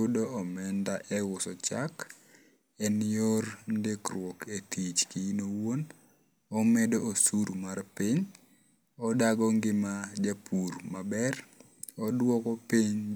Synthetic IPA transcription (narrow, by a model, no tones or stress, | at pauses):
ʊdoɔmɛndaʔɛwʊsɔt͡ʃak | ɛnorndekrwɔketit͡ʃkinowon | ɔmɛdoʔosuɾmarpiɲ | ɔdaɡɔŋɡɪmad͡ʒapʰuɾmabɛr | ɔdwɔkɔpiɲ